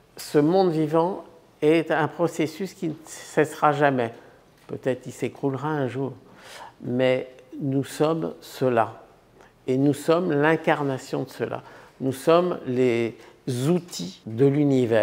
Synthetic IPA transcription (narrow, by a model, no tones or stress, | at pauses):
səmɔ̃d̪vivɑ̃ | ɛt̪ɛ̃pχɔsesyskʲinəsɛsʁaʒamɛ | pøt̪ɛt̪χilsekχulʁaɛ̃ʒuːʁ | mɛnusɔmsəla | enusɔmlɛ̃kaʁnasjɔ̰̃d̪əsəla̰nusɔmlezut̪ʰid̪əlynivɛː